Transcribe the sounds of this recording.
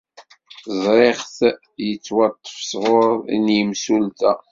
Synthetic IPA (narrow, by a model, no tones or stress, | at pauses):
zˤɾeχθ | jət͡sːwɑt̪ˤːə̥fsʁoɾḭnjəmsult̪æ